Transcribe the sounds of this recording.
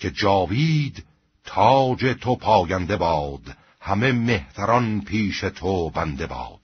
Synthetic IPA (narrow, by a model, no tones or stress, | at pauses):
cʰe̞d͡ʒɒːviːd̪ | t̪ʰɒːd͡ʒet̪ʰopʰɒːjænd̪e̞bɒːd̪ | hæme̞me̞ht̪æɾɒnpʰiːʃet̪ʰobænd̪e̞bɒ̰ːd̪̥